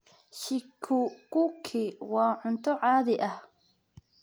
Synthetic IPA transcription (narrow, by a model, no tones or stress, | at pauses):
ʃɪkʰːʊkʊkʰɪwɑːʕʊnt̪ʰɔʕɑːðɪʔɐh